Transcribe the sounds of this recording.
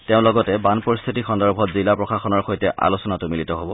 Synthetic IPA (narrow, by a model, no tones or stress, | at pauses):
teʊ̃lɔɡɔtɛbanpɔɹist̪ʰitixɔndɔɹbʱɔtzilapɹɔxaxɔnɔɹxojtɛʔa̰lusɔnatʊmilitɔɦobɔ